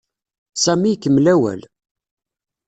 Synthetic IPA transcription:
sæmikːəmlæwæ̰l

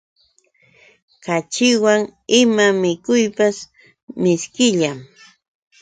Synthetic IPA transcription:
kat͡ʃɪwaŋɪmamɪkʊjpas | mɪskɪʎam

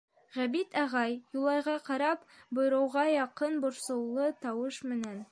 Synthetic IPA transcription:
ʁæbit̪ʰɑʁɑjjulˠɑjʁɑqɑɾɑpbŏj̆ɾɤ̆wʁɑjɑqɤnbŏɾsɤ̆wlˠɤt̪ɑwɤʃmɘ̆næn

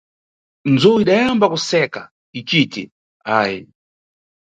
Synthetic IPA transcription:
nd͡zɔiɗajambakusɛka | it͡ʃitɛ̰ | aːjɛ

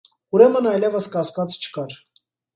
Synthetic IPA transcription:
uɾɛmənɑjlɛvəskɑskɑt͡st͡ʃʰə̥kɑɾ

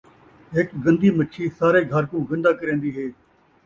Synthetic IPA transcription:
ɦɪkɡə̃nd̪iːmətːʃʰiːsaːɾeːɡʱəɾkũːɡə̃nd̪aːkəɾẽːnd̪iːɦeː

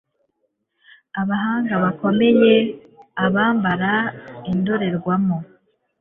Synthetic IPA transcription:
aβaɦaːŋɡaβako̞me̞je̞ | aβaːmbaɾaindo̞ɾe̞ɾɡwamo

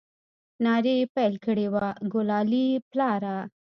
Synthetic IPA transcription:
nɑɾepajlkəɽewaɡʊlɑliplɑɾa

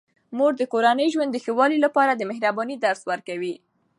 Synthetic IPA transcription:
moɾd̪əkoɾanəjʒwand̪ːəxəwɑlilapɑɾad̪əmɪhɾabɑnid̪aɾswəɾkawi

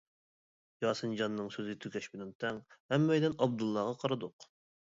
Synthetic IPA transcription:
jɑːsɨnd͡ʒɑnːɨŋsøzɪɡʲt̪ʰykʲʰɛʃbɪlɛnt̪ʰɛŋhɛmːɛjd̪ɛnɑb̚d̪ulˠːɑʁɑqʰɑɾɨd̪ʊq

